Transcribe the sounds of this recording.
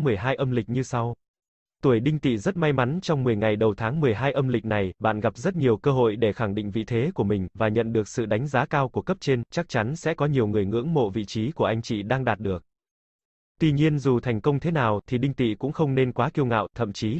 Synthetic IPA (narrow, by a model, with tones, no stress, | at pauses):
mɨ˨˩əjɦaː˧jʔə˧mlï˨˩k̟̚ɲɨ˧sa˧w | t̪u˧˩əjɗï˧ŋ̟t̪ḭ˧˨zə˦˥t̚ma˧jma˨˦nt͡ɕɔ˧wŋ͡mmɨ˨˩əjŋa˨˩jɗə˨˩wt̪ʰaː˨˦ŋmɨ˨˩əjɦaː˧jʔə˧mlï˨˩k̟̚na˨˩jɓa̰ː˧˨nɣa˨˩p̚zə˦˥t̚ɲi˨˩əwkəː˧ɦo̰˧˨jɗe˧˩xa˧˩ŋɗḭ̈˧˨ŋ̟vḭ˧˨t̪ʰe˨˦ku˧˩əmï˨˩ŋ̟vaː˨˩ɲə̰˧˨nɗɨ˨˩ək̚sɨ̰˧˨ɗa˨˦jŋ̟zaː˨˦kaː˧wku˧˩əkə˦˥p̚t͡ɕe˧nt͡ɕa˦˥k̚t͡ɕa˨˦nsɛ̰˧˥kɔ˨˦ɲi˨˩əwŋɨ˨˩əjŋɨ̰˧˥əŋmo̰˧˨vḭ˧˨t͡ɕi˨˦ku˧˩əʔa˧jŋ̟t͡ɕḭ˧˨ɗaː˧ŋɗaː˨˩t̚ɗɨ˨˩ək̚ | t̪wi˧ɲi˧ənzu˨˩t̪ʰa˨˩jŋ̟kə˧wŋ͡mt̪ʰe˨˦naː˨˩wt̪ʰi˨˩ɗï˧ŋt̪ḭ˧˨kʊ̰˧˥ŋ͡mxə˧wŋ͡mne˧nkwaː˨˦ki˧əwŋa̰ː˧˨wt̪ʰə̰˧˨mt͡ɕi˨˦